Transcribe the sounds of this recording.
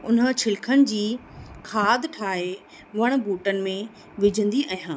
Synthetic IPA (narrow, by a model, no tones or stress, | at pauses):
ʊnə̆t͡ɕʰɪlkʰəñɪ̆d͡ʑiːkʰaːd̪ʱʈʰaːɦe | ʋɐɽ̃̆buːʈənɪ̆mẽ | ʋɪd͡ʑʱə̃nd̪iʔaɦijãː